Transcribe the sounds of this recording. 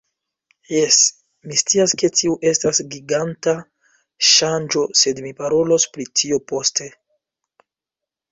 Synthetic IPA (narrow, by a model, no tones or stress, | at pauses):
jes | mistiaske̞tʰiuʔe̞stasɡiɡanta | ʃand͡ʒo̞se̞dmipaɾo̞lo̞spɾitʰio̞po̞stʰe̞